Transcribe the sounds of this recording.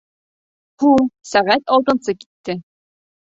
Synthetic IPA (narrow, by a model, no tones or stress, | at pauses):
husæʁæt̪ɒlˠt̪ɤ̆nsɤki̥t̪ːɘ